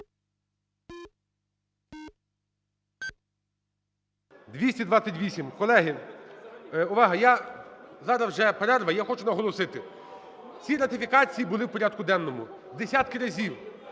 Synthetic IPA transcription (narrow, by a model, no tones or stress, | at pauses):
d̪ʋʲisʲtʲid̪ʋɑt͡sʲːɐtʲʋʲisʲimkɔlˠɛɦɪ | ʊʋɑɦɐjazɑɾɐwʒɛpeɾɛrʋɐjaxɔt͡ʃʊnɐɦɔlˠɔsɪt̪ɪ | t͡sʲiɾɐt̪ɪfʲikɑt͡sʲijibʊlˠɪwpɔɾʲad̪̚kʊd̪ɛnːɔmʊ | d̪esʲat̪kɪɾɐzʲiw